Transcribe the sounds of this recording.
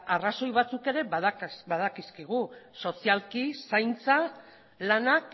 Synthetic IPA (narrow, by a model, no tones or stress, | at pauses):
araso̞jβat͡suke̞ɾe̞βaðbaðakiskiɣuso̞sialkisajnt͡sa | lanak